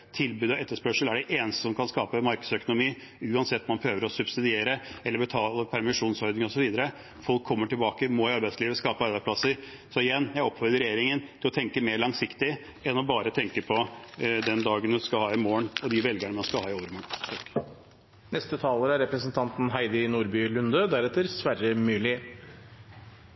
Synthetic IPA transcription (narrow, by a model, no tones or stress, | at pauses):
t̪ʰɪlbʉːd̪ɔɛt̪ːəʂpœʂəlæɖɛʔeːnəst̪ə̥sɔmkʰɑnskɑːpəmɑɾkə̥sœkʊnʊmiː | ʉːɑnsɛt̪ːɔmɑnpʰɾøːʋəɾɔsʉbsɪd̪ɪeːɾəɛlːəbɛt̪ʰɑːləpʰæɾmɪʂuːnsɔɾd̪nɪŋɔsɔʋiːd̪əɾə | fɔlkʰːɔmːəʈɪlbɑːkəmɔɪɑɾbæɪsliːʋəskɑːpəɑɾbæɪspʰlɑsəɾ | sɔɪjɛnːjæɪɔpːfɔɾd̪əɾɛjeːɾɪŋənt̪ʰɪlɔt̪ʰɛŋkəmeːɾɭɑŋsɪkt̪ɪ | ɛnːɔbɑːɾət̪ʰɛŋkəpʰɔd̪ɛnd̪ɑːɡənmɛskɑlhɑːɪmoːəɳɔd̪ɪʋɛlɡəɳəmɑnskɑlhɑːɪoːɾəmɑ | nɛst̪ət̪ʰɑːləɾæɾɛpɾəsənt̪ʰɑnt̪n̩ɦæɪd̪ɪnuːɾbylʉnd̪əd̪æɾɛt̪ːəɾsʋæɾəmʉːlɪ